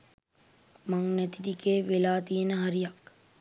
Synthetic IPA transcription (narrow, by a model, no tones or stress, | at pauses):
maŋnɛt̪idikeːʋelaːt̪ijenəɦaɾijak